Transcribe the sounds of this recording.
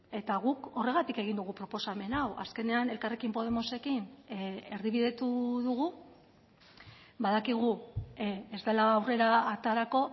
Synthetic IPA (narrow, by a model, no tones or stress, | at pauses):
e̞t̪aɣuko̞re̞ɣat̪ike̞ɣ̞ind̪uɣ̞upɾo̞po̞same̞nawa̰ske̞ne̞ane̞lkarekimpo̞ð̞e̞mo̞se̞kineɾðiβ̞iðe̞t̪uðuɣ̞u | baðakiɣ̞u | ezd̪e̞laːwre̞ɾat̪aɾako̞